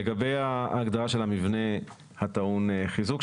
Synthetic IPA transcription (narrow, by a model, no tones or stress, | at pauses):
eɡabe̞jaːɡd̪aʁaʃe̞lhamivne̞ | hat̪aunχizuk